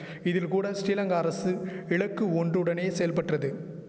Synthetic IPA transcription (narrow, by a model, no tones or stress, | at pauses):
ɪðɪlkuːɽɐsʈiːlɐŋɡɐɐɾɐsɯɪɭɐkːɯɔndrɯɽɐneːsɛjɐlpɐʈrɐðɯ